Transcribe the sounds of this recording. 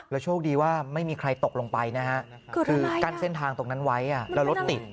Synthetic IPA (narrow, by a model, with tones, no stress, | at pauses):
lɛː˦˥wt͡ɕʰoː˥˩k̚diː˧waː˥˩ma˥˩jmiː˧kʰɾa˧jt̪o˨˩k̚lo˧ŋpa˧jna˦˥hʰa˦˥ʔ | kːʰɯː˧kaː˧nse˥˩nt̪ʰaː˧ŋt̪o˧˩ŋna˦˥nwa˦˥jʔa˨˩lɛ˦˥wlo˦˥t̪ːi˨˩t̪̚